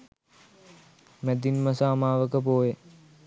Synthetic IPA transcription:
mæd̪inmɐsaːmaːʋəkəp̬oːje

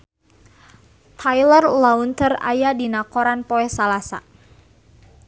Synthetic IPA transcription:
t̪ʰajlərlaunt̪əra̰jadinakɔɾanpɔɛsalasa̰

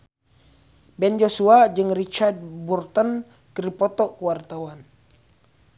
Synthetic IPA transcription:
bɛnd͡ʒosuad͡ʒɨŋrit͡ʃard̪̚burt̪ən | kəɾipɔt̪ɔkuwart̪awan

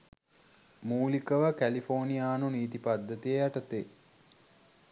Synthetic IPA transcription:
muːlikəʋəkælifoːnijaːnuniːt̪ipad̪ːət̪ijejaʈət̪e

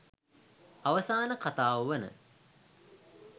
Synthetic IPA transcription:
aʋəsaːnəkat̪aːʋuʋənə̰

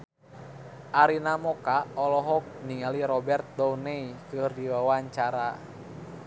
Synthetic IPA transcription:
ʔaɾinamɔkaɔlɔɦɔk̚niŋaliɾɔbɛrt̪̚dɔnɛikɨrdiwawaɲt͡ʃaɾa

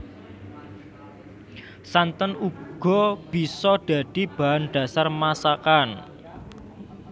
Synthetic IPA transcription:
sant̪ənuɡ̥ɔ̤b̥i̤sɔɖ̥ä̤d̪̥i̤b̥a̤anɖ̥a̤sarmasakan

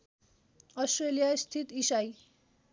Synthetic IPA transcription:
ʌsʈrelijast̪ʰit̪isaj

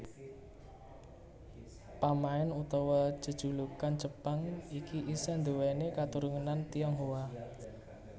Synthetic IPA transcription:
pamaɛnut̪ɔwɔ̥t͡ʃəd̥ʒ̥ṳlukant͡ʃəpaŋikiʔisand̪owɛnekat̪uɾuŋənant̪iɔŋɦowa

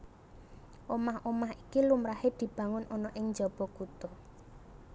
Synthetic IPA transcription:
ʔomahomahikilumɾahed̪̥i̤b̥ä̤ŋʊnʔɔnɔʔɪŋd͡ʒɔb̥ɔ̤kut̪ɔ

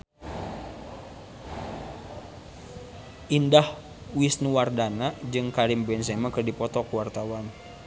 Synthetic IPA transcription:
ʔindah | wisnuwardanad͡ʒɨŋkaɾimbɛns̬ɛmakɨrdipɔt̪ɔkwart̪awan

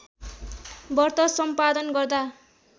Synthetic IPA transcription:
bʌrt̪ʌsʌmpad̪ʌnɡʌrd̪a

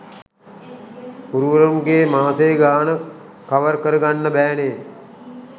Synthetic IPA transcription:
uɾuʋəɾɐmɡeːmaːt̪eɡaːnə | kaʋəɾkəɾəɡanːəbæːne

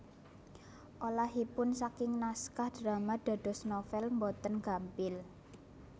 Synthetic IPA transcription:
ʔolaɦipʊnsakɪŋnaskahɖ̥ɾamad̥a̤ɖ̥ɔ̤snofɛlmbɔt̪ənɡ̥a̤mpɪl

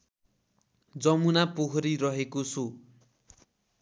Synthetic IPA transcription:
d͡zʌmunapoɦɾiɾʌɦekosʰo

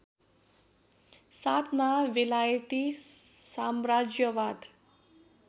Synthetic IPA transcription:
sat̪ʰmaʋelajt̪isamɾad͡ʒjəʋad̪

